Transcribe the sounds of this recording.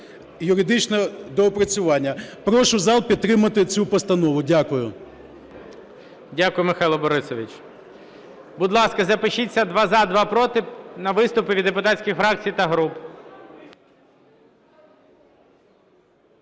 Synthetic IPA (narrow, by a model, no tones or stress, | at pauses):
jʊɾɪd̪ɪt͡ʃnɛd̪ɔpɾɐt͡sʲʊʋɑnʲːɐpɾɔʃʊzɑlˠpʲid̪̚t̪ːɾɪmɐt̪ɪt͡sʲupɔst̪ɐnɔʋʊdʲakʊjʊ | dʲakʊjʊmɪxɑjlˠɔbɔɾɪsɔʋʲit͡ʃ | bʊd̪lˠɑskɐzɐpɪʃit͡sʲːɐd̪ʋɑzɑd̪ʋɑpɾɔt̪ɪnɐʋɪst̪ʊpɪʋʲid̪ːepʊt̪ɑsʲkʲɪxfɾɑk̚t͡sʲijt̪ɐɦɾup